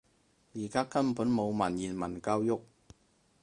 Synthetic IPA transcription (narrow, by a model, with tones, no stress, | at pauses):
jiː˨˩kaː˥kɐ˥npuː˨˥nmo˨˧wmɐ˨˩njiː˨˩nmɐ˨˩nkaː˧wjʊ˥k̚